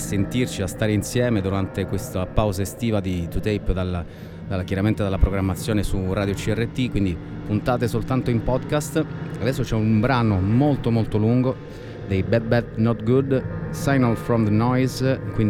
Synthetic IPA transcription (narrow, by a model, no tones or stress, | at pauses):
sent̪irt͡ʃiast̪aːɾeinsjɛːmed̪uɾant̪ekwest̪apawzaest̪iːvad̪it̪ut̪ejpd̪ala | d̪alkjaɾament̪ed̪alːapɾoɡɾamːat̪sːjoːnesuraːd̪jot͡ʃiɛrːet̪ːikwind̪i | punt̪aːt̪esolt̪ant̪oimpɔd̪kast̪ad̪ɛsːot͡ʃɛumbɾaːnomolt̪omolt̪oluŋɡo | d̪ejbɛbɛt̪nɔt̪ɡud̪sajnalfɾɔmd̪ənɔjzkwin